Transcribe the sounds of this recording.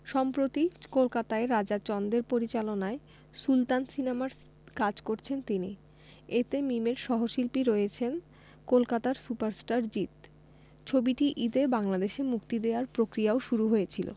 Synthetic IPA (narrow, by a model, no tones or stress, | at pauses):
ʃɔmpɾot̪ikolkat̪aeɾːad͡ʑat͡ɕɔnd̪eɾpoɾit͡ɕalonae | sult̪ansinemaɾ | kad͡ʑkoɾt͡ɕʰent̪ini | et̪emimeɾʃɔɦoʃilpiɾɔjet͡ɕʰen | kolkat̪aɾsupaɾsʈaɾd͡ʑit̪ | t͡ɕʰobiʈiʔid̪ebaŋlad̪eʃemukt̪id̪eaɾpɾokɾiaoʃuɾuɦojet͡ɕʰilo̰